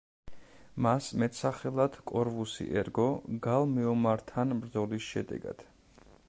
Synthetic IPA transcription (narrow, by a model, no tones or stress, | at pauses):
masmɛt̪ʰsaχɛlˠad̪̥kʼɔɾvusḭʔɛɾɡɔɡalˠmɛɔmaɾt̪ʰanmɾd̪zɔlisʃɛd̪ɛ̰ɡa̰d̪̥